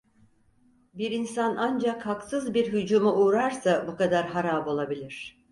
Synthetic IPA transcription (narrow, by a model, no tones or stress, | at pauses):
biɾinsanʔand͡ʒakhaksɯzbiɾɦyd͡ʒumuʔuːɾaɾsabukad̪aɾɦaɾaːbo̞lˠabilʲiɾ̥